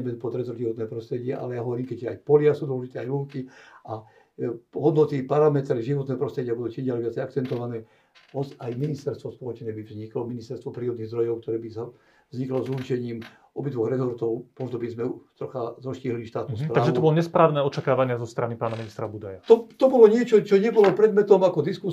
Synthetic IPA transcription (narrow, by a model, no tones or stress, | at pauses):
ɛmɛnpɔt̪ɾɛzɔʒiʋɔt̪nɛːpɾɔst̪ɾɛɟɪɛʔa̰lɛjaɦɔʋɔɾiːmkɛcɛa̰jpɔlɪasuːd̪ʋɔlɔʒit̪ɛːajɾuːŋkiʔa | ɦɔd̪nɔt̪ipaɾamɛt̪ɾɛʒiʋɔt̪nɛːɦɔpɾɔst̪ɾɛɟɪabud̪uːt͡ʃimɟɪalɛʋɪat͡sɛjakt͡sɛnt̪ɔʋanɛː | ɔzajminist̪ɛɾst̪ʋɔspɔlɔt͡ʃnɛːbivzɲiklɔminist̪ɛɾst̪ʋɔpɾiːɾɔd̪niɣzd̪ɾɔjɔʊk̚t̪ɔɾɛːbisa | vzɲiklɔzurt͡ʃɛɲiːm | ʔɔbid̪ʋɔɣɾɛzɔɾt̪ɔʊmɔzd̪ɔbizmɛt̪ɾɔxazɔʃciːɦlliʃt̪aːt̪nuːspɾaaːʒɛt̪ɔbɔlɔɲɛspɾaːʋnɛːɔt͡ʃakaːʋaɲɪazɔst̪ɾanipaːnaminist̪ɾabud̪ajat̪ɔt̪ɔbɔlɔɲɪɛt͡ʃɔt͡ʃɔɲɛbɔlɔpɾɛd̪mɛt̪ɔmakɔd̪isku